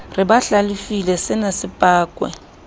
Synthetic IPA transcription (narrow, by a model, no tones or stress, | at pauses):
rɪbaɬalɪfilɛsɪnasɪpʼaːkʼwɛ̰